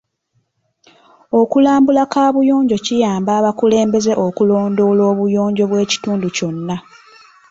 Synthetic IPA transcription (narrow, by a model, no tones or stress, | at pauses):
o̞kulaːmbulakaːβujo̞ːɲɟo̞cijaːmbaːβakule̞ːmbe̞ze̞ʔo̞kulo̞ːndo̞ːlo̞ːβujo̞ːɲɟo̞βwe̞ːci̥tuːnduco̞nːa